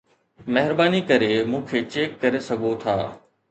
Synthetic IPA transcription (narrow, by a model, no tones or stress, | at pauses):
mɐɦɪɾbaːnikɐɾemũːkʰeːt͡ɕeːkːɐɾesɐɡʱot̪ʰa̰ː